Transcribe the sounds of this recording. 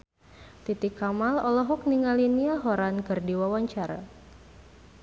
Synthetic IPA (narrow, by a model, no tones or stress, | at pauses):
t̪it̪ɪkamalɔlɔɦɔk̚niŋaliniaɦɔɾankɨrdiwawaɲt͡ʃaɾa̰